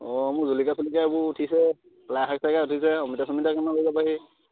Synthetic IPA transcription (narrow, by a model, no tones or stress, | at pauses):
ɔmuzulikasulikajbʊtʰisɛ | plaxak̚sakautʰisɛɔmitasɔmitakanaɦoizapaɦi